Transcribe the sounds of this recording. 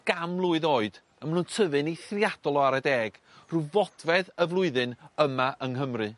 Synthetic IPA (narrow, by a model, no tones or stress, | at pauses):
ɡ̥amlˠʊɨðoːɨd̥ | əmənuːntʰəvɨniθrjad̥ɔlˠɔaɾədeːɡ̥ | ruvɔd̥vɛðəvlˠʊɨðɨnəmaʔəŋɦəmrɨ